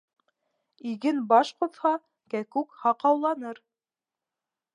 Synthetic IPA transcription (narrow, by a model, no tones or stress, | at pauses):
iɡɘnbɑʃqŏðhɑ | kækʉkhɑqɑwlˠɑnɤɾ